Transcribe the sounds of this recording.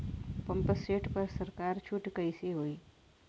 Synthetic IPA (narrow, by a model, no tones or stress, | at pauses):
pəmpəsʈeːʈpəɾsəɾkaːɾt͡ʃʰuʈkəjseɦoːi